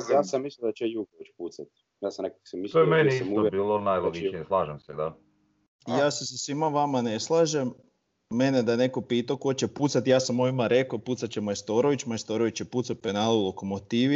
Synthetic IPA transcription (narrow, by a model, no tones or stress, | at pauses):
jaːsamːislild̪at͡ʃejuɡoʋit͡ʃpuːt̪sat̪ | jaːsanekaksamislt̪ojemenjimuobiːlˠonajlˠoɡit͡ʃieslˠaːʒemsɛd̪a | jaːsesasʋimaʋamaneslˠaʒemː | ened̪ane̞kopiːt̪akot͡ɕeput̪sat̪ijaːsamːoimaɾe̞koput̪sat̪t͡ɕemojest̪oɾoʋit͡ɕmojst̪oɾoʋit͡ɕjeput̪satpenaːlulˠokomot̪iʋi